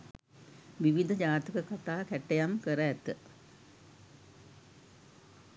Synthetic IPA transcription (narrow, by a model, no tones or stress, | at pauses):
ʋiʋid̪ʱɐd͡ʑaːt̪ɐkɐkɐt̪aːkeʈːɐjaːmkeɾɐjɐt̪ːɨ